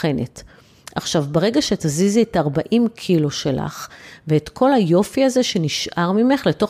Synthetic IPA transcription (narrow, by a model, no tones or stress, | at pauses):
e̞net | aχʃavbeʁe̞ɡaʃe̞tazizietaʁbaʔimkʰiloʃe̞la̰χveetkʰo̞lajo̞fiaze̞ʃe̞niʃʔaʁmime̞χle̞to̞